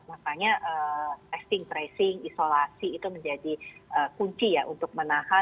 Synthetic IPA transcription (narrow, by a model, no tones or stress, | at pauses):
makaɲaʔət̪ɛst̪ɪŋpɾɛsɪŋisolasiːt̪uməɲd͡ʒadiʔəkuɲt͡ʃijaʔunt̪ʊk̚mənaha